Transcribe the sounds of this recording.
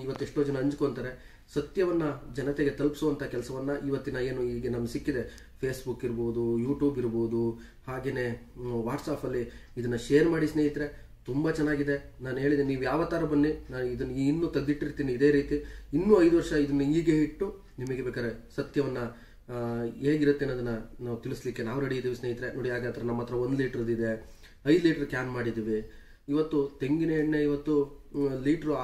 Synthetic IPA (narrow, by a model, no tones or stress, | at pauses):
iʋɐt̪ːueʂʈo̞ːd͡ʒɐnɐɐɲt͡ʃukoːnt̪aːɾe̞ | sɐt̪jɐʋɐnːɐd͡ʒɐnɐt̪eɡe̞t̪ɐlpi̥suʋɐnt̪ʰakɛlɐsɐʋɐnːɐʔiʋɐt̪ːinɐe̞ːnuiːɡenɐmsikːid̪e̞ | pʰe̞ːsbukːiɾbo̞ːd̪ujuːʈjuːbiɾbo̞ːd̪u | haːɡe̞ːne̞ː | ʋaːʈsaːpɐlːiːd̪ɐnːɐʃeːɐɾmaːɽisneːɦit̪ɾe̞ | t̪umbɐt͡ʃɛnːaːɡid̪e̞ | naːnuɦe̞ːɭid̪eniːʋujaːʋɐt̪aːɾɐbɐnːinaːnuid̪ɐnːɐiinːuːt̪ɐɡd̪iʈːiɾt̪iːniːd̪e̞ːɾiːt̪iinːuːɐjd̪uʋɐɾʂɐid̪ɐnːɐiːɡeɦiʈːu | nimɐɡebeːkaːɾesɐt̪jɐʋɐnːɐ | ɦe̞ːɡiɾut̪ːeːnːoɐd̪ɐnːɐnaːʋut̪iɭislikːenaːʋɾɐɽid̪iːʋisneːɦit̪ɾeno̞ːɽiaːɡat̪ɾɐnɐmːɐt̪ːɾɐo̞nd̪liːʈɐɾɐd̪id̪e̞ | ɐjd̪liːʈɐɾkjaːnmaːɽid̪iːʋi | iʋɐt̪ːut̪e̞ŋɡineineiʋɐt̪ːuliːʈɐɾu